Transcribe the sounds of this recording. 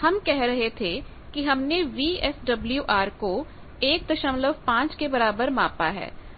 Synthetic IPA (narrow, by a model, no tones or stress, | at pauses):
hɐmkɛɦɾɐɦet̪ʰe | kiɦɐmneʋiːɛsɖɐbljuʔaːɾko | eːk̚d̪ɐʃəmləbpãːt͡ʃkebɐɾaːbəɾmãːpaɦɛ̰ː